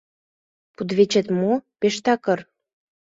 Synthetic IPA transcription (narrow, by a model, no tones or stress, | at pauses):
pud̪βet͡ɕet̪mopeʃt̪ɑkɤr